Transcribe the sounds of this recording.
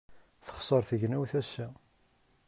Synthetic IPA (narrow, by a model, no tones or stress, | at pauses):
θə̥χsˤəɾˤθəʝnæwθæsːæ